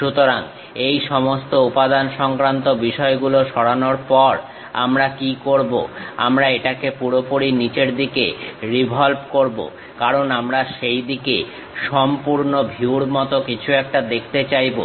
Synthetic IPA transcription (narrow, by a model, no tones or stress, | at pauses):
ʃut̪oɾaŋ | ejʃɔmost̪oupad̪anʃɔŋkɾant̪obiʃɔeɡuloʃɔɽanoɾpɔɾ | a̰mɾakikoɾbo̰a̰mɾaeʈakepuɾopoɾinit͡ɕeɾd̪ikḛɾibʱɔlbkoɾbo̰ | kaɾonamɾaʃejd̪ikḛ | ʃɔmpuɾnobʱiuɾmɔt̪okit͡ɕʰuɛk̚ʈad̪ekʰt̪et͡ɕajbo̰